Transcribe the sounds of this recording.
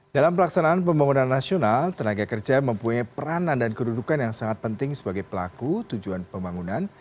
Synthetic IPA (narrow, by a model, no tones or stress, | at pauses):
d̥alampəlaksanaːnpəmbaŋunanːasionalt̪ənaɡakərd͡ʒaməmpuɲajpəɾanandankədudukanjaŋsaŋat̪̚pənt̪ɪŋsəbaɡajpəla̰kut̪ud͡ʒuanpəmbaŋunan